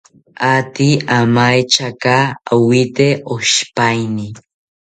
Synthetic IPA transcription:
at̪iamajt͡ʃakaawit̪eoʃpajni

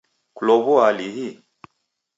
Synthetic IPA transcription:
kulɔβɔaliɦi

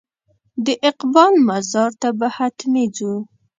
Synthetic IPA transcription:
d̪əʔɪqbɑlmazɑɾt̪abəhat̪med͡zu

